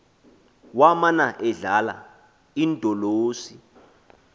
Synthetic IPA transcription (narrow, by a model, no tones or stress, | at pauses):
wamanaʔɛɮala̰ | indʱʼɔloːsi